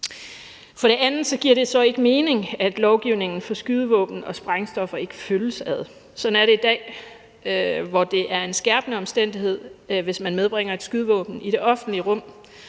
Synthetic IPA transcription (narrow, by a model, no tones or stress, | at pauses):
fɒ̽ɾ̥e̝ʔænð̩ˠsɒ̽ɡ̥iɐ̰ɾ̥e̝sɒ̽e̝ɡ̥əme̝ːne̝ŋæd̥lɒʊɡ̥iʊ̰ne̝ŋn̩fɒ̽sɡ̥yð̞ˠəʋɔ̰̽ːb̥n̩ɒ̽sb̥ʁaŋsd̥ɒ̽fɐe̝ɡ̥əføləsæð̞ˠ | sɒ̽n̩æɐɾe̝id̥ɛ̰ː | ʋɒd̥e̝ʔæɐe̝nsɡ̥æɐb̥nəɒ̽msd̥en̰d̥iɦe̝ð̞̰ˠʋe̝smænmeðˠb̥ʁeŋ̰ɐe̝d̥sɡ̥yð̞ˠʋɔ̰̽ːb̥n̩id̥e̝ʔɒ̽fn̩liəʁɔ̽m̰